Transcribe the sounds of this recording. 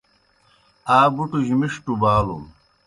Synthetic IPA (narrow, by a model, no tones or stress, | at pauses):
aːbuʈuʑimiʂʈubaːlṵm